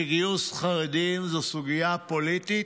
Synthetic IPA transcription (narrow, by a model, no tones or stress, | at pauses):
iɡijusχaʁed̪imzusuɡijapolit̪i